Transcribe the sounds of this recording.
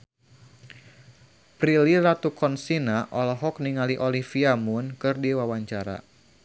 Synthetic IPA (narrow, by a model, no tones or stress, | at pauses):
pɾilirat̪ukʰɔnsinaʔɔlɔɦɔkniŋaliʔolifiamʊnkɨrdiwawaɲt͡ʃaɾa̰